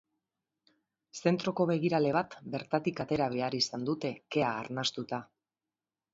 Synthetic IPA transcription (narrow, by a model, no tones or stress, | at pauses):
se̞nt̪ɾo̞ko̞βe̞ɣ̞iɾale̞β̞at̪be̞ɾt̪at̪ikat̪e̞ɾaβ̞e̞aɾisand̪ut̪e̞ke̞aːɾnast̪ut̪a